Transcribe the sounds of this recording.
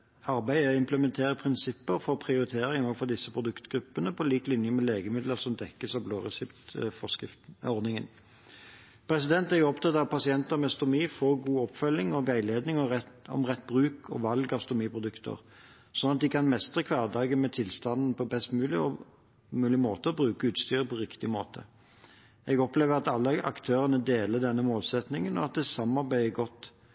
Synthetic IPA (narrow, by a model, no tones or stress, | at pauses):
ɑɾbæɪæɪmpləmɛnt̪ʰeːɾəpʰʁɪnsɪpːəʁfɔʁpʰʁɪʊʁɪt̪ʰeːɾɪŋɔːʋəfɔʁd̪ɪsːəpʰʁʊd̪ʉkt̪ɡ̥ɾʉpːənəpʰɔliːklɪnjəmɛleːɡəmɪd̪ləʁsɔmd̪ɛkːəsɑʋbloːʁɛsɛpt̪fɔskɪɔʁd̪nɪŋə̰n | pʰɾɛsɪd̪ɛnt̪æʁjʊɔpt̪ʰɑt̪ɑʋpʰɑsɪɛnt̪əʁmɛɑst̪ʊmiːfoːʁɡuːɔpfœlːɪŋɔɡæɪleːd̪nɪŋɔɔ̰mʁɛt̪̚ːbʁʉːkʰɔ̰ʋɑlɡɑst̪ʊmiːpʰʁʊd̪ʉkt̪ʰə̰ʁ | sɔnɑt̪̚d̪ɪkʰɑnmɛst̪ʁəkʰʋɑːʁd̪ɑːɡənmɛt̪ʰɪlst̪ɑnd̪n̩pɔbɛst̪mʉːlɪ | mʉːlɪmoːt̪əɔbʁʉːkəʉːt̪st̪yːɾəpʰɔʁɪkt̪ɪmo̰ːt̪ʰə̰ | ɛɡɔpleːʋəʁɑt̪ɑlːəʔɑ̰kt̪ʰøːʁənəd̪eːləd̪ɛnːəmoːlsɛt̪nɪŋənɔɑt̪̚d̪ɛsɑmɑʁbæɪəɡɔt̪